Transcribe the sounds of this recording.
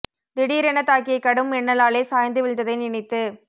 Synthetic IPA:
d̪ɪɽɪjɾɛɳɐt̪ːaːk̬ɪjɐɪkːɐɽɯmɛɳːɐlaːɭeːsaːjɐnd̪ɯʋɪɭt̪ːɐðɐɪnɪɳɪt̪ːɯ

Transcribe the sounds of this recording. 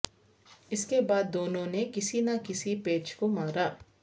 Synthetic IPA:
ɪskebaːd̪ːoːnõnekɪsinakɪsipeːt͡ʃkomaːɾaː

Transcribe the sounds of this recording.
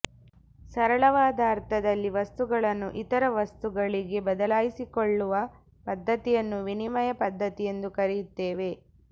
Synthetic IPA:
sɐɾɐɭɐʋaːd̪aɐɾt̪ʰɐd̪ɐlːiʋɐst̪uɡɐɭɐnːuʔit̪ɐɾɐʋɐst̪uɡɐɭiɡe̞bɐd̪ɐlaːjisikoɭːuʋɐ | pɐd̪ːɐt̪ijɐnːuʋinimɐjɐpɐd̪ʱːɐt̪ije̞nd̪ukɐɾijut̪ːeːʋe̞

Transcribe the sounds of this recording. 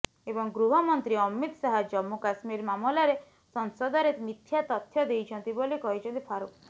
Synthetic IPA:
ebɔŋɡɾuɦɔmɔnt̪ɾiɔmit̪saɦad͡ʒɔmːukasmiɾmamɔlaɾe | sɔnsɔd̪ɔɾemit̪ʰjat̪ɔt̪ʰːjɔd̪ejt͡ʃʰɔnt̪ibolikɔɦit͡ʃʰɔnt̪ipʰaɾuk

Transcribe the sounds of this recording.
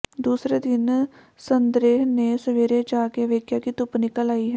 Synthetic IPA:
d̪uːsɾeːd̪ɪn | sənd̪ɾeːɦneːsəʋeːɾeːd͡ʒaːkeːʋeːkʰjaːkiːt̪ʊpnɪkəlaːiːɦɛː

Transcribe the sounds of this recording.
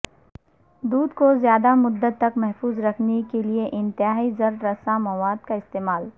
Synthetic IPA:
d̪uːd̪kozjaːd̪amʊd̪ːət̪ːɐkmɛɦfuːzɾɐkʰnekelieʔɪ̃nt̪ɪɦaːizɐɾːɐsamɐwaːd̪kaɪst̪eːmaːl

